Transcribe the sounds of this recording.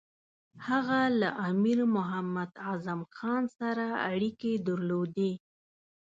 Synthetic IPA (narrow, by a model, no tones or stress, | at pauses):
haɣalaʔamiɾmʊɦamad̪ɑzamxɑnsaɾaa̰ɽiked̪aɾlod̪e